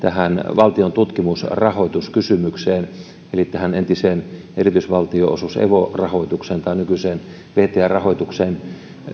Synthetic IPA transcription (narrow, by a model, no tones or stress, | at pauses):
t̪æhænʋɑlt̪iont̪ut̪kimusrɑhoˑit̪uskysymykseːn | elit̪ːæhænent̪iseːn | erit̪ysʋɑlt̪ioʔo̰susḛʋorɑhoˑit̪ukseːnt̪ɑˑinykyseːn | ʋeht̪eærɑhoit̪ukseːn